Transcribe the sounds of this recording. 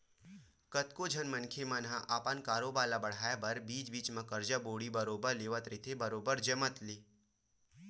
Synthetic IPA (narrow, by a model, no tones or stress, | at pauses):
kət̪kod͡ʒʱənmənkʰemanɦãʔaːpankaːɾobaːlabɐɽ̤aːjbɐɾbiːt͡ʃbiːt͡ʃmãkəɾd͡ʒaboːɽibəɾoːbəɾleːʋət̪ɾɪt̪ʰebɐɾoːbəɾd͡ʒəmət̪liː